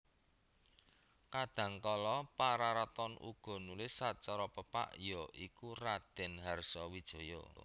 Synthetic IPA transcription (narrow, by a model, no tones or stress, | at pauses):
kad̪̥ä̤ŋkɔlɔpaɾaɾat̪ɔnʔṵɡ̥ɔ̤nulɪsːat͡ʃɔɾɔpəpa̰ʔjɔikurad̪̥ɛ̤nɦarsɔwid̥ʒ̥ɔ̤jɔ̰